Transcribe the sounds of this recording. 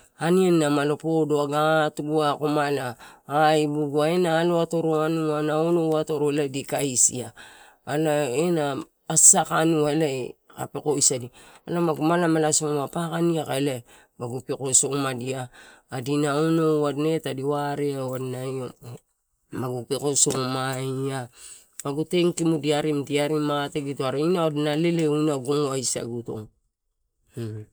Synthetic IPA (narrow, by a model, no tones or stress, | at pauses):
aniannamalo̞podoaɡatubuakomalaː | jbuɡuaenaːloato̞ɾoanuanaonowato̞ɾoeladikaisḭaː | laenaː | sakanuaelaeka̰peko̞jsadialamaɡumalamalasomapakaniakaela | maɡupekosomadiaːdinaonowadnetadiwaɾeawadnajo | maɡupekosomaia | maɡuteŋkimudiaɾimdiaɾimateɡitoaɾainaodnale̞leunaɡoŋoajsa̰ɡuto̞̰ŋ